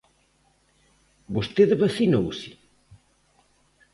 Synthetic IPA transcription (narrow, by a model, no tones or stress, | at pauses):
bost̪eðβaθinowsɪ̥